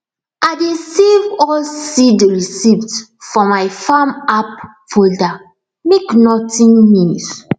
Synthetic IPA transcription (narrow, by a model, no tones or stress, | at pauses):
ʔadisivɔlsidɹisiptfɔmaɪfamap̚ | folda | meknɔtĩnmĩns